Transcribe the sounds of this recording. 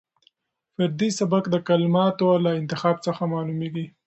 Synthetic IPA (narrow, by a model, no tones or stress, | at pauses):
fɪɾd̪isabakd̪əkalmɑt̪olaɪnt̪ɪxɑb̚t͡səxamɑlumeɡi